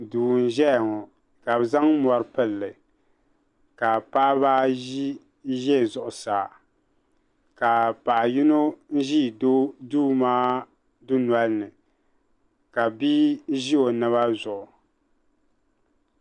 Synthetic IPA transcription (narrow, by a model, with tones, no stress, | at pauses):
duː˨n̩˦ʒɛ˦˨ŋɔ˨ | ka˨bɨ˨za˦ŋ˦mɔ˨ɾɨ˦pɨ˦˨lːɨ˨ | ka˨paː˦βaː˦ | ʒɛ˦˨zʊ˨ʔʊ˨saː˨ | ka˨pa˨ʔji˦no˦n̩˦ʒi˦˨do˦duː˦maː˦ | dʊ˦n˨a˦lnɨ˨ | ka˨bi˦ʒi˦o˨nɨ˦βa˦zʊ˨ʔʊ˨